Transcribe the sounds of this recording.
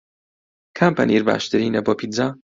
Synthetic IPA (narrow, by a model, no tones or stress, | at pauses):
kʰampɐ̰niɾba̰ːʃt̪ɨɾinɐbɔpʰid̪za